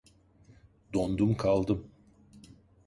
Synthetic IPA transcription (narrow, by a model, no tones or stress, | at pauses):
d̪ond̪umkʰalˠd̪ɯm